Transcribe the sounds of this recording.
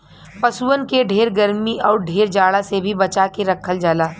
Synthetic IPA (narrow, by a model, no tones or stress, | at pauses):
pɐsuənkeɖʱeːɾɡɐəɾmiɔːɾɖʱeːɾd͡ʒaːɽasebʱibɐt͡ʃakeɾɐkʰəld͡ʒaːlaː